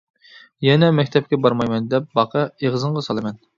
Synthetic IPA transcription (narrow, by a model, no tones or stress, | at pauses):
jɛnɛmɛkʲt̪ʰɛp̚kʲɛbɑɾmɑjmɛnd̪ɛp̚bɑqʰɑeʁzɨɴʁɑsɑlˠɨmɛn